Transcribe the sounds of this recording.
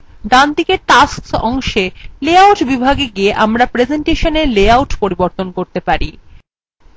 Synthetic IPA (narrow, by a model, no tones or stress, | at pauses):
ɖand̪ikeʈasksɔŋʃeleawʈbibʱaɡeɡieʔamɾapɾed͡ʑeɳʈeʃoneɾleawʈpoɾiboɾt̪onkoɾt̪epaɾi